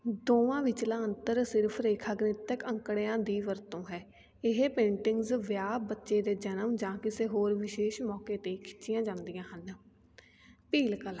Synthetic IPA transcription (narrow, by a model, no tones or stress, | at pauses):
d̪oːʋãːʋɪt͡ʃlãːənt̪əɾsɪɾpʰɾeːkʰaːɡneːt̪əkə̃ŋkɽeːãːd̪iːʋəɾt̪õːɦɛː | ɪɦeːpẽːɳʈɪŋɡzʋjaːbətːʃeːd̪eːd͡ʒənəmd͡ʒãːkɪseːɦoːɾʋɪʃeːʃmɔːkeːt̪eːkʰɪ̥tːt͡ʃʃɪjãːd͡ʒãːnd̪ɪjãːɦən | piːlkəl